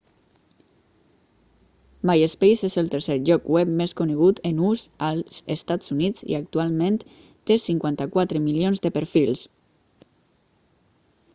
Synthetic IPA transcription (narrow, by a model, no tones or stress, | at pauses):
majespejzezəlˠt̪əɾseʒɔkwɛp̚meskuneɣ̞ut̪ənuzalˠz̥est̪azunit͡sḭak̚t̪ualˠmẽnt̪ | t̪ːesiŋkwant̪akwat̪ɾəmilionzðəpəɾfilˠs